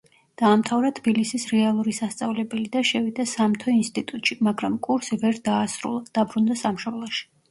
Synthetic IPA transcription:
d̪̥aːmt̪ʰavɾat̪ʰbilisisɾɛalˠuɾisast̪sʼavlɛbɛlid̪aʃɛvid̪asamt̪ʰɔinst̪ʼit̪ʼut̪ʼʃimaɡɾamkʼuɾsivɛɾd̪aːsɾṵlˠad̪̥abɾund̪asamʃɔblˠɔʃi̥

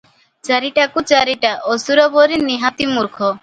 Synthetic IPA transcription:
t͡ʃaɾiʈakut͡ʃaɾiʈaʔosuɾɔboɾiniɦat̪imuɾkʰɔ

